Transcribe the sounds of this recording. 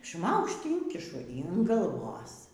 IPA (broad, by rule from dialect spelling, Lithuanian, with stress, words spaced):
ˈʃmɐʊkʃt ˈiːŋʲkʲɪʃʊ iːn ɡɐlˠˈʋoːs